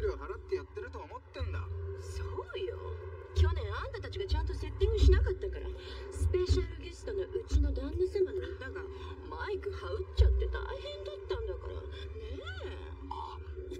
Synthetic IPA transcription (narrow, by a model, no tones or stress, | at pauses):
ɾioɦaɾat̪ːe̞jat̪ːe̞ɾɯ̟t̪oamo̞t̪ːẽ̞nd̪a̰soːjo̰kʲo̞nẽ̞ɰ̃ãnd̪at̪at͡ɕiɡat͡ɕãnt̪o̞se̞t̪ːẽɲiɕinakat̪ːakaɾa̰sɨ̥pe̞ɕaɾɯ̟ɡʲesɨ̥t̪onoʔɯ̟t͡ɕino̞d̪ãnːasẽmbanoat̪ːaɡa | maikɯ̟haɯ̟tt͡ɕat̪ːe̞t̪a̰ihẽ̞nd̪at̪ːãnd̪aka̰ɾa̰ne